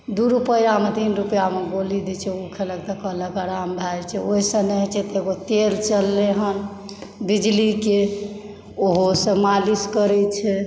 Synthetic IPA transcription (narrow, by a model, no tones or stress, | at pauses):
d̪uɾupəjjamet̪inɾupjameɡolid̪ɛt͡ʃʰɛukʰelək̚t̪əkələkəɾambʱajt͡ʃʰɛoɦisə̃nɛɦt͡ʃʰɛt̪eɡot̪elt͡ʃəlːeɦən | bid͡ʒlike | oɦosə̃maliskəɾɛt͡ʃʰɛ